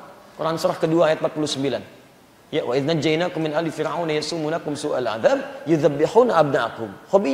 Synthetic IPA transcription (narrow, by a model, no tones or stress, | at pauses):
kuɾʔansʊɾaħkəduaːjat̪̚mpat̪̚pulʊhsəmbilan | jawʔaʔɪðnad͡ʒːajnaːkʊmːɪnʔalifɪɾʕawnajasumunakʊmsuʔa̰lʕa̰ðaːb̚jʊðabːɪħuːnaʔab̚naʔakʊmxɔbi